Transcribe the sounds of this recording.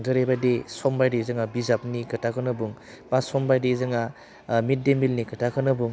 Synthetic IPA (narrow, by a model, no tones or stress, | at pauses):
ŋdɯɾebajdesɔmbajdezɯŋabizap̚nikʰɯtakʰɯnɯbuŋ | basɔmbajdezɯŋa | mit̚demilnikɯtʰakʰɯnɯbuŋ